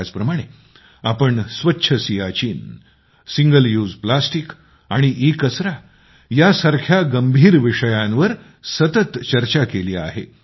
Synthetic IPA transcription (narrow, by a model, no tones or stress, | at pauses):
at͡spɾəmaɽ̃e | apəɳsʋətːɕʰəsijat͡ɕiːn | siŋɡəljuːd͡zplasʈik | aɽ̃iʔikəsɾa | jasaɾkʰjaɡəmbʱiːɾʋiʂəjãnʋəɾ | sət̪ət̪t͡ɕəɾt͡ɕakeliːa̰ɦḛ